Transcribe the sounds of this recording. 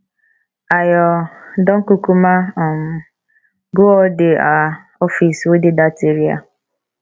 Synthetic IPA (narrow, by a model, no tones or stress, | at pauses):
ajɔdɔŋ̩kukumaɔm̩ | ɡoɔdɪa | ɔfisodɪdateɾia̰